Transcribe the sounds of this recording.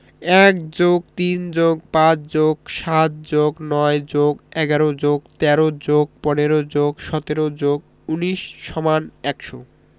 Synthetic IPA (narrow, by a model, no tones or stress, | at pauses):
ɛk̚d͡ʑoɡ̚t̪ind͡ʑoɡpãt͡ɕd͡ʑoɡʃat̪̚d͡ʑoɡnɔed͡ʑoɡɛɡaɾod͡ʑoɡt̪ɛɾod͡ʑoɡ̚pɔneɾod͡ʑoɡʃɔt̪eɾod͡ʑoɡ | uniʃːɔmanɛkʃo